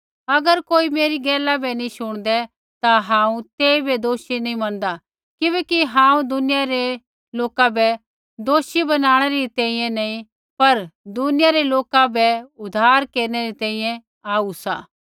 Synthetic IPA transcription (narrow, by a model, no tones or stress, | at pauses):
ɐɡəɾkoːimeːɾiɡɛːlabɛnĩsʊɽ̃d̪ɛ | t̪aɦãːũt̪eːibɛd̪oːʃinĩmɐ̃nd̪a | kɪbɛːkiɦãːũd̪ʊnɪjaɾe | loːkabɛ | d̪oːʃibɐnaːɽ̃ɛɾit̪ɛ̃ːĩjɛ̃nɐĩ | pɐɾd̪ʊnɪjaɾeloːkabɛʊd̪ʱaːɾkeːɾñɛɾit̪ɛ̃ːĩːjɛ̃ | aːusa̰ː